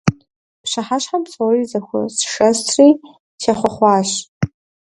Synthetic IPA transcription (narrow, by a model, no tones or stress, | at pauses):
pʂaħaʂħamʰt͡sʰʼawizakʷʰa̰sʂastʰri | ʃaχʷaχʷaʃ